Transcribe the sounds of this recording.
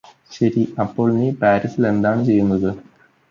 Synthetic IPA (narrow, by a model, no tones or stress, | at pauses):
ɕɐɾiɐpːo̞ːɭniːpaːɾisile̞nd̪aːɳɨt͡ɕe̞jːunːɐðɨ